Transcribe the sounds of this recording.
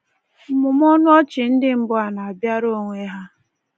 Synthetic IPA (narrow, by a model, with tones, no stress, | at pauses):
m̩˨mʊ˨m˦ɔ˦nʊ˦ɔ˦t͡ʃɪ˨n̩˦dɪ˦m̩˦bʊ˦a˨na˨a˨bja˦ɾo˦ŋʷe˦ɦa˦